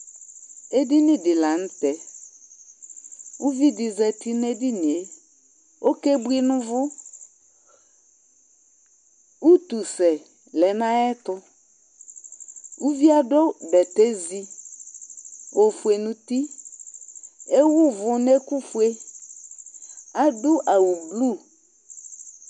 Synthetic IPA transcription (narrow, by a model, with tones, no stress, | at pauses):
e˦di˦nĩ˦dɪ˨la˨ñ̩˦t̪ɛ˨ | u˦vi˦dɪ˨zɛ˨t̪i˦ne˦di˦nĩ˨e˨ | o˦ke˦bu˦i˦nũ˦vʊ˦ | wu˦t̪u˨sɛ˨ | lɛ˨nã˦ɛ˦t̪ʊ˦ | u˦vi˦a˨ɖo˦bɛ˨t̪e˦zi˦ | wʔo˨fu˨e˨nũ˨t̪i˦ | e˦wu˦vʊ˨nɛ˦ku˦fu˨e˦ | a˨ɖʊ˦ʔa˨wu˨blu˦